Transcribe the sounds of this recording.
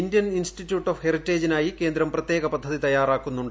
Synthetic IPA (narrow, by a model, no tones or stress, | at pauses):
indjɐninsʈitːjuːʈːofheritːeːd͡ʑinaːjike̞ːnd̪ɾɐmprɐt̪je̞ːɣɐpɐd̪ʱːɐðit̪ɐjːaːraːkːunːuɳɖɨ